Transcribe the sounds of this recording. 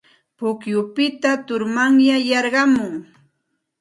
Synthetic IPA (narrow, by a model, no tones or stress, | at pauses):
pʊkjʊpɪt̪at̪ʊɾmaŋjajɑɾɢɑmʊŋ